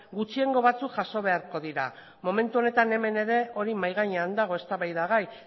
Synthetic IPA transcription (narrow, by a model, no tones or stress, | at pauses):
ɡut͡ʃie̞ŋɡo̞βat͡sukʝaso̞β̞e̞aɾko̞ðiɾa̰ | mo̞me̞nt̪uo̞ne̞t̪ane̞me̞ne̞ɾe̞o̞ɾimajɣ̞aɲaand̪aɣ̞o̞e̞st̪aβajðaɣaj